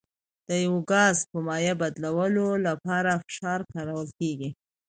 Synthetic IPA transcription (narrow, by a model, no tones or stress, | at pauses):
d̪̥əjawoɡɑzpəmɑjabad̪lawəlolapɑɾafɪ̥ʃɑɾkɑɾawəlkeɡi